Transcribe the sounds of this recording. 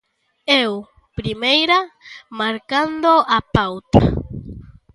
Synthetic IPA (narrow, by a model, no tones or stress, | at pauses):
ew | pɾimejɾamaɾkando̞ʔapawta̰